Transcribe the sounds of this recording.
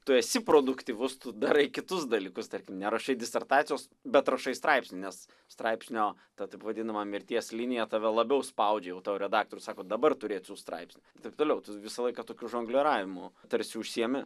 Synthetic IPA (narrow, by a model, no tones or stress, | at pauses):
t̪ʊɛsʲɪpɾoːd̪ʊkt̪ʲiʋʊst̪ʊd̪ɐɾɐɪkʲɪt̪ʊsd̪ɐlʲiːkʊst̪ɐɾʲkʲɪmnʲɛɾɐʃɐɪdʲɪsʲɛrt̪ɑːt̪sʲɪjoːs | bʲɛt̪ɾɐʃɐɪst̪ɾɐɪpsʲnʲɪnʲɛs | st̪ɾɐɪpʲsʲnʲoːt̪ɐt̪ɐɪpʋɐd̪ʲɪnɐmɐmʲɪɾʲt̪ʲiɛslʲinʲɪjɛt̪ɐʋʲɛlˠɐbʲɛʊspɐʊd͡ʒʲɛjɛʊt̪ɑːʋɾʲɛd̪ɑːk̚t̪oːɾʲʊsɑːkoːd̪ɐbɐrt̪ʊɾʲeːt̪ʲsʲuːst̪ɾɐ̰ɪpʲsʲnʲʊɪt̪ɐɪp̚t̪oːlʲɛʊt̪ʊʋʲɪsɐlˠɐɪkɐt̪oːkʲuʒoːŋɡlʲɛɾɑːʋʲɪmʊt̪ɐɾʲsʲɪʊʃʲsʲiɛmʲɪ